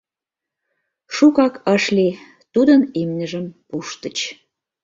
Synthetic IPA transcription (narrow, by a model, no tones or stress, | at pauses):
ʃukɑkəʃle | t̪ud̪ənemnʲəʒəmpuʃt̪ət͡ɕ